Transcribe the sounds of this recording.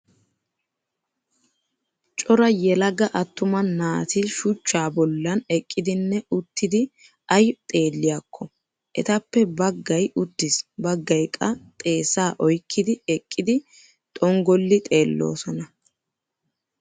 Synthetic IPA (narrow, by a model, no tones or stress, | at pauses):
t͡ʃʼɔɾɐjɛlɐɡɐʔɐt̪ːʊmɐːaːt̪ɪʃʊt͡ʃːaːbɔlːɐnɛkʼːɪd̪ɪnːɛʊt̪ːɪd̪ɪ | ʔɐjt̪ʼe̞ːlːɪjakːɔ | ʔɛt̪ɐpːɛbɐɡːɐjʊt̪ːɪsbɐɡːɐjkʼːɐt̪ʼe̞ːsaːʔɔjkʰːɪd̪ɪɛkʼːɪd̪ɪ | t̪ʼɔŋɡɔlːɪt̪ʼe̞ːlːo̰ːsɔnɐ